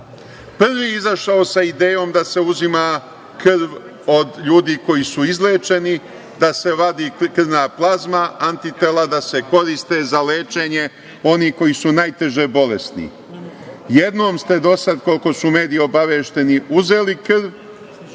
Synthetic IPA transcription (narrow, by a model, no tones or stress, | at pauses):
pr̩ʋiːizaʃaosaid̪eːjo̞ːmd̪ase̞uzima | krʋ | o̞d̪ʎuːd̪iːko̞jisuizleːt͡ʃe̞ni | d̪ase̞ʋad̪ikr̩naːplˠazmaant̪it̪elˠad̪ase̞ko̞ɾist̪e̞zaleːt͡ʃe̞ɲe̞ | o̞niko̞jisunajt̪e̞ʒebo̞lesnḭ | jed̪no̞ːmst̪e̞d̪o̞sad̪ko̞lko̞sume̞ːd̪io̞baʋeːʃt̪e̞niuze̞ːlikr̩ʋ